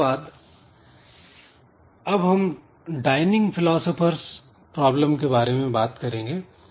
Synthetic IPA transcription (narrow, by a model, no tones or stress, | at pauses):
aːd̪ | ɐbɦɐm | ɖaːɪnɪ̃ŋɡpʰɪlɔːsəpʰəɾs | pɾɔːbləmkebaːɾemẽbaːt̪kɐɾẽːŋɡeː